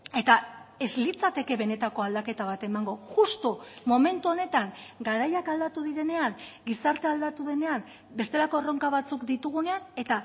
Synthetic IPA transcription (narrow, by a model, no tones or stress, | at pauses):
e̞t̪ae̞zlit͡sat̪e̞ke̞βe̞ne̞t̪ako̞ald̪ake̞t̪aβ̞at̪e̞maŋɡo̞ʝust̪omome̞nt̪uo̞ne̞t̪aŋɡaɾajakald̪at̪uðiɾe̞ne̞aŋɡisaɾt̪e̞ald̪at̪uðe̞ne̞am | be̞st̪e̞lako̞ro̞ŋkaβat͡sukd̪it̪uɣ̞uneane̞t̪a